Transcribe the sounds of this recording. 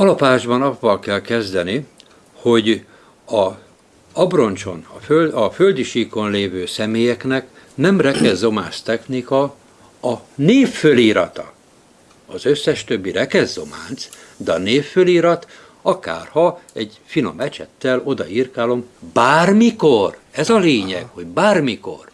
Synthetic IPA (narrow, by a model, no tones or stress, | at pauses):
ɒlɒpaːʒbɒnɒvːɒlkɛlkɛzd̪ɛni | ho̞ɟ | ɒ | ɒbro̞nt͡ʃo̞̰nɒfølɒføld̪iʃiːko̞nleːvøːsɛmeːjɛknɛk | nɛmrɛkɛzːo̞ma̰ːnst̪ɛxnikɒ | ɒneːfːøliːɾɒt̪ɒ̰ | ɒzøsːɛʃt̪ø̞bːiɾɛkɛzːo̞̰ma̰ːnt̪s | d̪ɛɒneːfːøliːɾɒt̪ | ɒka̰ːrhɒɛɟ | fino̞̰mɛt͡ʃɛ̰t̪ːɛlo̞d̪ɒ̰irkaːlo̞mbaːrmiko̞rɛzɒleːɲɛkho̞ɟbaːrmiko̞̰r